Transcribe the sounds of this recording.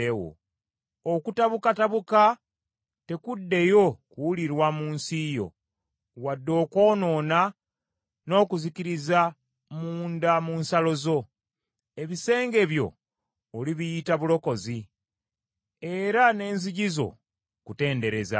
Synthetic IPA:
ewo̰ | okutaβukataβuka | te̞kudːe̞jo̞kuwuliɾwamuːnsijo̰ | wadːo̞ːko̞ːno̞ːna | no̞ːkuziciɾiza | muːndamuːnsalo̞zo̞ | e̞βise̞ːŋɡe̞βjo̞̰ː | liβijitaβulo̞ko̞zi | e̞ɾane̞ːnziɟizo̞̰ | kute̞ːnde̞ɾe̞za̰

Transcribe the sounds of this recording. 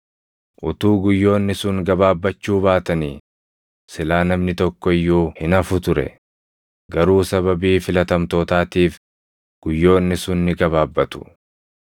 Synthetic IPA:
ʔʊt̪uːɡʊjːo̞ːnːɪsʊŋɡɐbaːbːɐt͡ʃːuːbaːt̪ɐniː | sɪlaːnɐmnɪt̪ɔkːɔɪjːuːhɪnɐfʊt̪ʊɾɛ̰ | ɡɐɾuːsɐβɐbiːfɪlɐt̪ɐmt̪o̞ːt̪aːt̪iːf | ɡ̥ʊjːo̞ːnːɪsʊnːɪɡɐβaːbːɐt̪ʊ̥

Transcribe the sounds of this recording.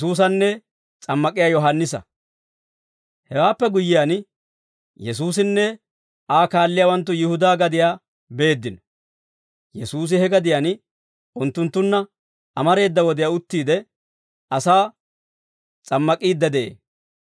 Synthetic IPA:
suːs̬ɐnːɛ | t͡sʼɐmːɐkʼɪjaːjɔɦanːɪsɐ̰ | hɛwaːpːɛɡʊjːɪjan | jɛsuːsɪnːɛ | ʔaːkaːlːɪjaːwɐnt̪̬ːʊjɪhʊd̪aːɡɐd̪ɪjaː | be̞ːd̪ːɪnɔ | jɛsuːs̬ɪhɛɡɐd̪ɪjan | ʊnt̪ːʊnt̪ːʊnːɐ | ʔɐmɐɾe̞ːd̪ːɐwɔd̪ɪjaʊt̪ːiːd̪ɛ | ʔɐsaː | t͡sʼɐmːɐkʼiːd̪ːɐd̪ɛʔḛː

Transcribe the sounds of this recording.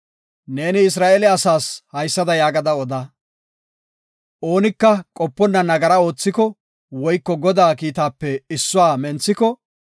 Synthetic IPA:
ne̞ːnɪɪs̬ɾaːʔɛlɛɐsaːshɐjsːɐd̪ɐjaːɡɐd̪ɐɔd̪a | ʔo̞ːnɪkːɐkʼɔpːɔnːɐnɐɡɐɾɐo̞ːt͡sːɪkɔ | wɔjkːɔɡɔd̪aːkiːt̪aːpːɛɪsːʊwaːmɛnt͡sːɪkɔ

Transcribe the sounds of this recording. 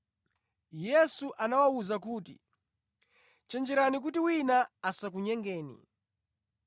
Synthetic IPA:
jɛsuʔanawauzak̬uːtḭ | t͡ʃɛnd͡ʒɛɾanik̬utiwinaasak̬uɲɛŋɡɛːnḭ

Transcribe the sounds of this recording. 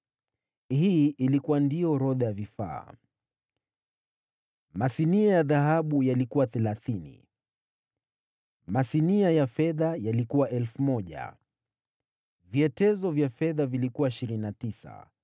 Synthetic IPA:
hiːʔilikuwandiɔɾɔðajavifa̰ː | masiniajaðaɦaɓujalikuwaθɛlaθinḭ | masiniajafɛðajalikuwaʔɛlfumɔʄa̰ | viɛtɛzɔvjafɛðavilikuwaiʃiɾininatisa̰

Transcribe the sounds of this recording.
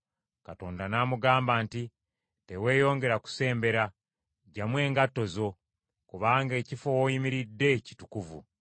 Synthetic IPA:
kato̞ːndanaːmuɡaːmbaːnti | te̞we̞ːjo̞ːŋɡe̞ɾaku̥se̞ːmbe̞ɾa | ɟamwe̞ːŋɡatːo̞zo̞ | kuβaːŋɡe̞ːcifo̞wojimiɾidːe̞ci̥tukuvṵ

